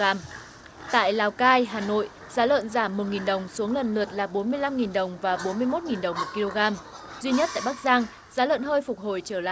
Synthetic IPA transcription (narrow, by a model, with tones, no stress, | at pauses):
aː˧m | t̪a̰ː˧˨jlaː˨˩wkaː˧jɦaː˨˩no̰˧˨j | zaː˨˦lə̰ː˧˨nzaː˧˩mːo˨˩t̚ŋi˨˩nɗə˨˩wŋ͡msu˨˦əŋlə˨˩nlɨ˨˩ət̚laː˨˩ɓo˨˦nmɨ˧əjla˧mŋi˨˩nɗə˨˩wŋ͡mvaː˨˩ɓo˨˦nmɨ˧əjmo˦˥t̚ŋi˨˩nɗə˨˩wŋ͡mmo˨˩t̚ki˧lo˧ɣaː˧mzwi˧ɲə˦˥t̚t̪a̰ː˧˨jɓa˦˥k̚zaː˧ŋ | zaː˨˦lə̰ː˧˨nhəː˧jfʊ˨˩k͡p̚ho˨˩jt͡ɕəː˧˩la̰ː˧˨